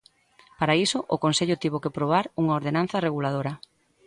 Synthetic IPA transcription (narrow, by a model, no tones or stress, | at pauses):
paɾaisʊʔʊkonseʎʊt̪iβokepɾoβ̞aɾuŋaoɾðenan̟θɐreɣulað̞oɾɐ